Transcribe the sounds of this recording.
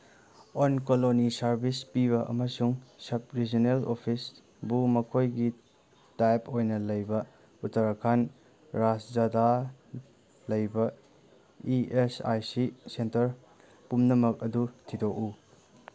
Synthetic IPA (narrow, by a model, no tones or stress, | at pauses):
onkolonisɐɾbispiβɐʔɐ̰mɐsuŋsɐp̚ɾid͡ʒonelopʰis | bumɐkʰojɡi | tajpojnɐlɐjbɐ | utɐɾɐkʰan | ɾasd͡ʒada | lɐjbɐ | iesa̰jsisentɐɾ | pumnɐmɐk̚ɐdutʰidoku